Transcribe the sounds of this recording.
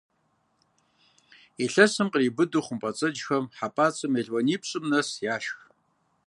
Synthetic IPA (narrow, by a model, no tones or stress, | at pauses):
iɬɐsɨmqribɨdɨχʷʊmpʼɐt͡sʼɐd͡ʒxɐmħapʼaːt͡sʼɨmjɛɮwɐniːpɕʼɨmnɐsjaːʃx